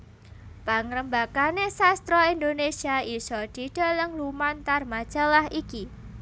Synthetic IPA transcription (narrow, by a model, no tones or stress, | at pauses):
paŋɾəmbakanesast̪ɾɔind̪onesiaisɔd̪̥i̤ɖ̥a̤ləŋlumant̪armad̥d͡ʒ̥alahiki